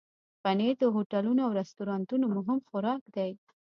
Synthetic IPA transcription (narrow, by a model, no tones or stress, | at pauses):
faned̪əɦoʈalunoawɾast̪uɾɑnt̪unomʊɦɪmxʊɾɑkd̪aj